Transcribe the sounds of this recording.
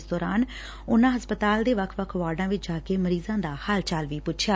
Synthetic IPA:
sd̪ɔːɾaːn | ʊnãːɦəspət̪aːld̪eːʋəkʰʋəkʰʋaːɾɖãːʋɪt͡ʃd͡ʒaːkeːməɾiːzãːd̪aːhaːlt͡ʃaːlʋiːpʊʃʰjaː

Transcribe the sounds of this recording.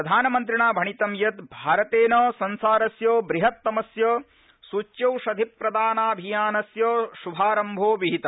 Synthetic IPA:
ɾɐd̪ʱaːnɐmɐnt̪̬ɾiɳaːbʱɐɳit̪ɐmjɐt̪bʱaːɾɐt̪eːnɐsɐnsaːɾɐsjoːbɾiɦɐt̪ːɐmɐsjɐ | sut͡ʃjɐwʃɐd̪ʱipɾɐd̪aːnaːbʱijaːnɐsjɐːʃubʱaːɾɐmbʱoːʋiɦit̪ɐ

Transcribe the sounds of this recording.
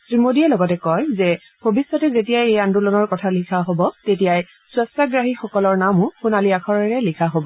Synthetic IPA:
tɹimodiɛlɔɡɔtɛkɔjzɛ | bʱobisːɔtɛzetijajejandulɔnɔɹkɔtʰalikʰaɦobɔtetijaj | swɛstaɡɹaɦixɔkɔlɔɹnamʊxunaliakʰɔɹɛɹɛlikʰaɦobɔ

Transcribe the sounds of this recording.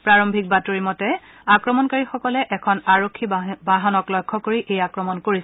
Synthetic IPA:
pɹaɹɔmbʱik̚batoɹimɔtɛ | akɹɔmɔnkaɹixɔkɔlɛʔɛkʰɔnaɹokʰːibaɦɔnɔklɔjkʰːɔkoɹiʔejakɹɔmɔnkoɹis

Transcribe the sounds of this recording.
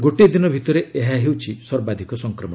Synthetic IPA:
ɡoʈid̪inɔbʱit̪ɔɾeeɦaɦewt͡ʃʰisɔɾbad̪ʱikɔsɔŋkɾɔmɔ

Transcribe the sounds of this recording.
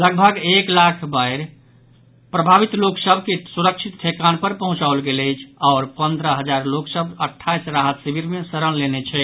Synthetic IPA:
ləɡbʱəɡeklakʰbaɪɾ | pɾəbʱabit̪loksəbʱkesuɾəkt͡ʃʰit̪ʈʰekanpəɾpəɦũt͡ʃaolɡeləjt͡ʃʰaːɾpənd̪ɾəɦəd͡ʒaɾloksəbʱəʈʰːajsɾaɦət̪sibʱiɾmesəɾənlenet͡ʃʰɛ

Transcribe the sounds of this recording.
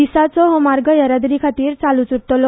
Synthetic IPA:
isat͡sɔɦɔmaɾɡəjəɾad̪ɾikʰat̪iːɾt͡salut͡suɾt̪ɔlɔ

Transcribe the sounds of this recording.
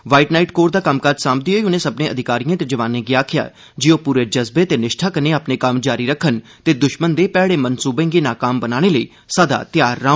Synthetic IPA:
ʋaːiʈnaːiʈkoːɾd̪aːkəmkaɾd͡ʒsãːmb̚d̪iɦoːiʊnẽːsəbnẽːəd̪ʱɪkaːɾijãːt̪ed͡ʒəʋaːnẽːɡiaːkʰɪja̰ː | d͡ʒɪõːpuːɾeːd͡ʒəzbeːt̪eːnɪʃʈʰaːkəneːaːpneːkəmd͡ʒaːɾiːɾəkʰːən | t̪eːd̪ʊʃmənd̪eːpɛːɽeːmənsuːbẽːŋɡeːnaːkaːmbənaːɽ̃eːləḭː | səd̪a̰ːt̪jaːɾːãː

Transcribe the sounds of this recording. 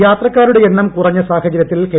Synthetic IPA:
jaːt̪rɐkːaːɾuɽe̞enːɐmkurɐɲːɐsaːhɐd͡ʑɐɾjɐt̪ːilke

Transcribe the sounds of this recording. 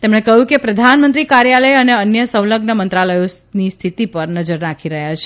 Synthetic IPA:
t̪emɳekəɦjũkepɾəd̪ʱanmənt̪ɾikaɾjaləjəneənjəsəwləɡnəmənt̪ɾaləjosnist̪ʰit̪ipəɾnəd͡ʒəɾnakʰiɾəɦjat͡ʃʰe̥

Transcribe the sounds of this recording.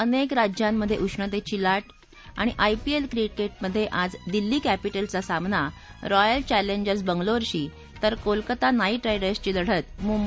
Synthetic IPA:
ənekɾad͡ʑjamːəd̪ʱːjeʔuʂɳət̪et͡ɕiːlaʈ | a̰ɽ̃iʔajpielkɾikeʈ̚məd̪ʱːjeʔad͡zd̪ilːiːkæpiʈəlt͡sasamna | ɾɔjəlt͡ɕæleɲd͡ʑəɾsbəŋɡloɾɕiː | t̪əɾkolkət̪anaiːʈɾajɽəɾst͡ɕiːd̪əɽ̤ət̪mum

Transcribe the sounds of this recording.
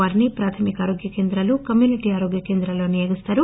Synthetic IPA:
aːɾinipɾaːt̪ʰɐmikaːɾo̞ːɡjɐkeːnd̪ɾɐlukɐmjuːniʈiːaːɾoɡjɐkeːnd̪ɾɐlo̞ːnijoɡist̪aːɾu

